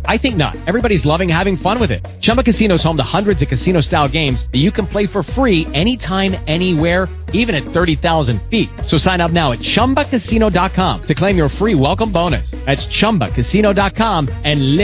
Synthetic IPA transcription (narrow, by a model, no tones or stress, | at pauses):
ʔaɪθɪ̃ŋk̚nə̰ɾɛvɹibɑɾizlʌvɪ̃ŋhævɪ̃ŋfʌ̃nwɨðɪ̰t̚t͡ʃʰʌ̃mbəkɨsĩnoʊz̥õʊ̃mðəhʌ̃ndɹɨdzʌv̥kɨsĩñoʊstaɪlˠɡẽɪ̃mzðɨt͡ʃɨkɨ̃n̩pʰl̥eɪfə˞fɹiɛñitʰãɪ̃mɛniwɛɹ | ivɨ̃ñɨt̪̚θɜ˞ɾiθaʊzɨ̃nd̥fit̚soʊsãɪ̃ñʌp̚naʊɨt̚t͡ʃʰʌ̃mbəkʰɨsĩnoʊdɑt̚kʰɑ̃mtʰɨkʰl̥ẽɪ̃mjə˞fɹiwɛlˠkə̃mbõʊ̃ñɨ̰sðætst͡ʃʰʌ̃mbə̰kʰɨsiñoʊdɑt̚kʰɑ̃mɨ̃nlɪ